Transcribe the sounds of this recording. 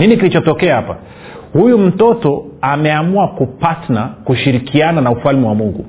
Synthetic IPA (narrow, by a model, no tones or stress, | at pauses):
ninikilit͡ʃɔtɔkɛahapa̰ | hujum̩tɔtɔamɛamuakupatnakuʃiɾikʰiananaufalmiwamuŋɡṵ